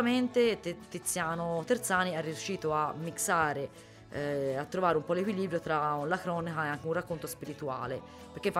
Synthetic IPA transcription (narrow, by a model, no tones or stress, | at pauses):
ament̪et̪ːit̪sːjaːnot̪ert̪saːniɛrːiuʃːiːt̪oamːiksaːɾe | at̪ːɾovaːɾeumpɔlekwiliːbɾjot̪ɾalakɾɔːnikaeaŋkeunrakːont̪ospiɾit̪ua̰ːle | peɾkːef